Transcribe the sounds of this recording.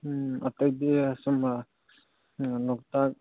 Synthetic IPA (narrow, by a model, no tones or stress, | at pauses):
atajdeasɔma | lɔk̚tak̚